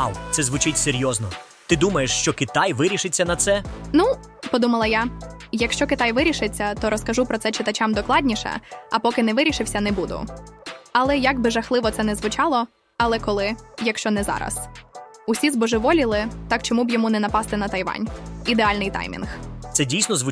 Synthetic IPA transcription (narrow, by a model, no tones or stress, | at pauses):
ɑ̰lˠt̪sɛzʋʊt͡ʃɪtʲseɾʲjɔznɔ | t̪ɪd̪umɐjeʃt͡ʃɔkɪt̪ɑjʋɪɾʲiʃɪt͡sʲːɐnɐt̪sɛnu | pɔd̪umɐlˠɐjajɐkʃt͡ʃɔkɪt̪ɑjʋɪɾʲiʃɪt͡sʲːɐt̪ɔɾɔskɐʒupɾɔt̪sɛt͡ʃɪt̪ɐt͡ʃɑmd̪ɔklˠɑdʲnʲiʃɛ̰ɐpɔkɪnɛʋɪɾʲiʃɪwsʲɐnɛbud̪ʊ̰ | ɐlˠɛjɐɡbɪʒɐxlˠɪʋɔt̪ɛnɛzʋʊt͡ʃɑlˠɔ | ɐlˠɛkɔlˠɪjɐkʃt͡ʃɔnɛzɑ̰ɾɐ̰s | uʊsʲizbɔʒɪʋɔlʲilˠɪt̪ɑkt͡ʃɔmubjɔmunɛnɐpɑst̪ɪnɐt̪ɐjʋɑ̰nʲid̪eɑlʲnɪjt̪ɑ̰jmʲḭnxt̪sɛdʲijsʲnɔzʋʊ